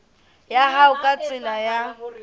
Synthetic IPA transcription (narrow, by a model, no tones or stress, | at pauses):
jaɦaʊkʼat͡sʼɪnaja